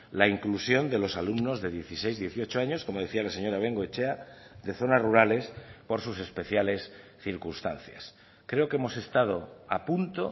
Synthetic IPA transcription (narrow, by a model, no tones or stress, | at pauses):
laiŋklusjo̞nd̪e̞lo̞salumno̞zðe̞ðje̞θise̞jzðje̞θio̞t͡ʃoaɲo̞sko̞mo̞ð̞eθialase̞ɲo̞ɾaβ̞e̞ŋɡoet͡ʃeaðe̞θo̞nazruɾale̞spo̞ɾsuse̞spe̞θjale̞sθiɾkunst̪a̰n̟θja̰s | kɾe̞o̞ke̞mo̞se̞st̪að̞o̞apunt̪o̞